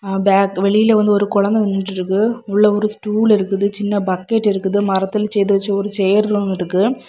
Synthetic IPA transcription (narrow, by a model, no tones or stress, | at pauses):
baːkʋɛɭɪjɪleʋɐnd̪ɯɔɾɯkʊɻɐnd̪ɐʋɛnːɪʈːɪɾɯkːɯʊɭːɐɔɾɯsʈuːɭɪɾɯkːɯðɯt͡ʃɪnːɐbɐkːeʈːɪɾɯkːɯðɯmɐɾɐt̪ːɪlsɛjt̪ɯʋɐt͡ʃːɯɔɾɯsɛjɐɾɾonɪɾɯkːɯ